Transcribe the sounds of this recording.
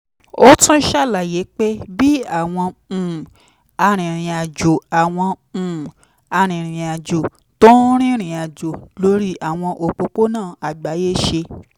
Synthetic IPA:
o˦tũ˦ʃa˦˨la˨je˨˦k͡pe˦bi˦a˦˨w̃ɔ̃˧˨ | a˧ɾ̃ĩ˨ɾ̃ĩ˨a˨d͡ʒo˨a˨w̃ɔ̃˧ | ũ˨ | a˧ɾ̃ĩ˨ɾ̃ĩ˨a˨d͡ʒo˨ | to˦ɾ̃ĩ˦ɾ̃ĩ˨a˨d͡ʒo˨lo˧˦ɾi˦ʔa˦˨w̃ɔ̃˧ʔo˧k͡po˧k͡po˦nãː˦˨a˨ɡ͡ba˨˦je˦ʃe˧

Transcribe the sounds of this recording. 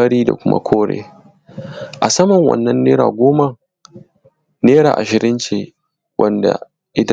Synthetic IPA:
a˦ɾiː˦da̰˨kʷʊ˦ma̰˦kʷʰoː˦ɽḛː˦ | ʔa˨sɐ˦mɐ˨ŋwɐ̰˨nːɐ˦nːeː˦ɾa̰ː˨ɡʷoː˦ma˨ | neː˦ɽa̰ː˨ʔa˨ʃɪ˨ɾɪ˦nt͡ʃeː˦˨ | wʔɐ˦nda̰˨ | ʔɪ˦tɐ˦

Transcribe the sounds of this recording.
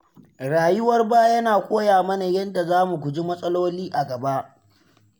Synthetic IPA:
ɽaː˨jʊ˦wɐ˦rbaː˦jɐ˦naː˨kʷoː˦jaː˨mɐ˦na˨jɐ˦nda˨zaː˦mu˨kʷu˨d͡ʒi˦mɐ˦sʼɐ˦loː˦liː˦ʔa˨ɡɐ˨ba˦ʔ

